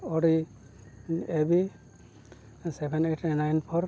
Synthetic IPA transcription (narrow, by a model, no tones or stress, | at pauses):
ɔɾi | ebi | sɛbɛneʈnajnpʰɔɾ